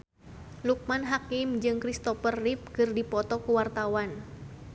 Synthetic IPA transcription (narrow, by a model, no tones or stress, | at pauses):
luk̚manɦakimd͡ʒɨŋkɾist̪ɔfərːip̚kɨrdipɔt̪ɔkuwart̪awan